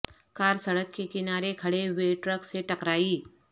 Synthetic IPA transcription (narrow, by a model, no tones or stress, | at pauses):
kaːɾsɐɽəkkekɪnaːɾekʰɐɽeʋeʈɾəkseʈɐkɾaːiː